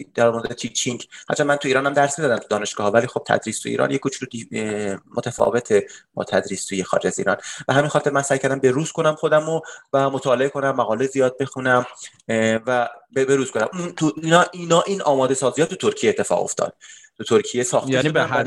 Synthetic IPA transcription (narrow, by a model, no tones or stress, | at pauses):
d̪̥æɾmoɾed̪d̪et͡ʃʰit͡ʃʰiŋkhæ̰t̪t͡ʃʰːæmmænt̪ʰuiːɾɒːnhæmd̪æɾsmizɒd̪æmt̪ʰud̪ɒːne̞ʃɡ̥ɒːhɒvæliːxob̥̚t̪ʰæ̰d̪ɾiːst̪ʰuḭɾʔɒ̰ːnjekut͡ʃʰud̪imot̪ʰæfɒ̰ːve̞t̪ʰebɒ̰ːt̪ʰæd̪ɾiːst̪ʰuːjexɒ̰ɾed͡ʒæzḭːɾɒ̰ːnb̥eɦæmiːnxɒːt̪e̞ɾmænsæjkʰæɾd̪æmbeɾuːz̥kʰo̞næmχo̞d̪æmovæmot̪ʰɒːleekʰo̞næmːæɣɒːlezijɒːd̪̚be̞xunæm | væbebeɾuːz̥kʰonæ̰munt̪ʰuinɒːʔinɒːʔiːnʔɒːmɒːd̪e̞sɒːzijɒːt̪ʰut̪ʰoɾcʰijeːt̪ːe̞fɒ̰ːʁo̞̰ft̪ʰɒ̰ːd̪̥̚t̪ʰut̪ʰoɾkʰijesɒːxtjæ